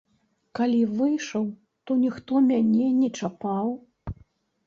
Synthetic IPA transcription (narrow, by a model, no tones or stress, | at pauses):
kalʲivɨjʂɐw | t̪ɔnʲixt̪ɔmʲanʲɛnʲɛt͡ʂapaw